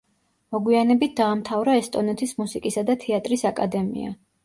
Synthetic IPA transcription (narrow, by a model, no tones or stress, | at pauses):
mɔɡwianɛbit̪̚d̪aːmt̪ʰavɾaɛst̪ʼɔnɛt̪ʰismusikʼisad̪at̪ʰɛat̪ʼɾisakʼad̪ɛmḭa̰